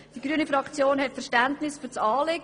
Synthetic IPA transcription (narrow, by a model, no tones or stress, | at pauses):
d̥iɡɾyənifɾɑkt͡sjoːnɦɛtfɛʃtæntnɪsfyːt͡sɑːlɪɡ